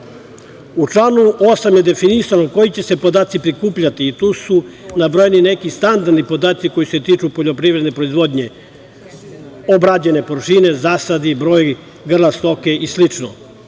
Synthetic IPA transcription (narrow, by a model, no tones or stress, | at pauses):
ut͡ʂlˠaːnuosamje̞d̪e̞finisanoko̞jit͡ɕe̞se̞pod̪aːt̪sipɾikuːpʎat̪iːt̪uːsunabɾojenine̞kist̪and̪aɾd̪nipo̞d̪aːt̪siko̞jise̞t̪iːt͡ʃupo̞ʎopɾivɾed̪nepɾo̞izʋo̞d̪ɲe̞ | obɾad͡ʑe̞ne̞poɾʃine̞zaːsad̪ibɾo̞ːj | ɡr̩last̪o̞ke̞ʔislit͡ʃno̰